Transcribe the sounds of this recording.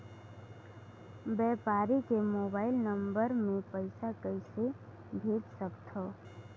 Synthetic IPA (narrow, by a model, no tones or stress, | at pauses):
bɛːpaːɾikemoːbaːɪlnə̃mbəɾmẽpəɪsakəɪse | bʱeːd͡ʒsəkt̪ɦoː